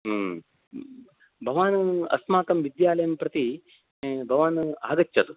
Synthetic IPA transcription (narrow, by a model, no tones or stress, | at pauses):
bʱɐʋaːnɐ̰smaːkɐmʋid̪jaːlɐjɐmpɾɐt̪i | bʱɐʋaːna̰ːɡɐtːt͡ʃʰːɐt̪u